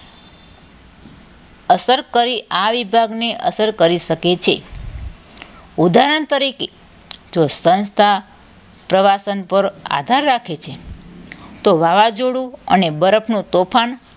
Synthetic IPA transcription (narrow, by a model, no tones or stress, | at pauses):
əsəɾkəɾiʔaʋibʱaɡneʔəsəɾkəɾiʃəket͡ʃʰe | ud̪aɾəɳt̪əɾike | d͡ʒosə̃nst̪ʰa | pɾəʋasənpəɾa̰d̪ʱaɾːakʰet͡ʃʰe | t̪oʋaʋad͡ʒoɽũənebəɾəpʰnũt̪opʰan